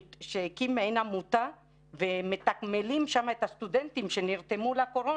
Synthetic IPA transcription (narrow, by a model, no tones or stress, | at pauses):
ʃekimːeenamut̪a | vemet̪akmelimʃamaet̪hast̪ud̪ent̪imʃe̞niʁt̪e̞mulako̞ɾo